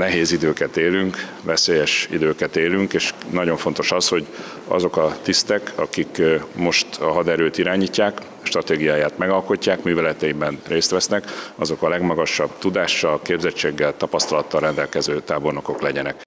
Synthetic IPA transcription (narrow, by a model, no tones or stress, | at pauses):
nɛɦeːzid̪øːkɛt̪eːlyŋk | ʋɛseːjɛʃḭd̪øːkɛt̪eːlyŋkeːʃnɒɟo̞ɱfo̞n̪t̪o̞ʃɒsho̞ɟ | ɒ̰zo̞kɒt̪ist̪ɛkɒkikmo̞ʃt̪ɒɦɒd̪ɛɾøːt̪iɾaːɲiːcːaːk | ʃt̪rɒt̪eːɡijaːjaːt̪mɛɡɒlko̞cːaːkmyːvɛlɛt̪ɛibɛnreːst̪ʋɛsnɛkɒzo̞kɒlɛɡmɒɡɒʃɒbt̪ud̪aːʃːɒlkeːbzɛt͡ʃːeːɡːɛlt̪ɒpɒst̪ɒlɒt̪ːɒrrɛnd̪ɛlkɛzøːt̪aːbo̞rno̞ko̞klɛɟɛnɛk